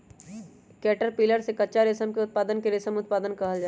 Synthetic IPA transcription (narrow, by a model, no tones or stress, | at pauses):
kɛːʈəɾpiːləɾsekɐːʃaɾɪsəmkeʊt̪̚paːd̪ənkeɾɪsəmʊt̪̚paːd̪ənkɐɦəld͡ʒaː